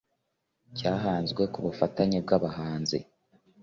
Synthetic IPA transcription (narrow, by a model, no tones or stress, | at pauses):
caːɦaːnzɡwe̞kuβufataɲeb̚ɡaβahaːnzḛ